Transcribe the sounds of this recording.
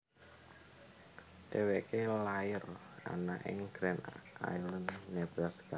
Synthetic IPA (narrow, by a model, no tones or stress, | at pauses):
t̪ewɛʔkelaɪr | a̰na̰ʔɪ̰ŋɡ̥ɾɛna̰jlənːɛb̥ɾaska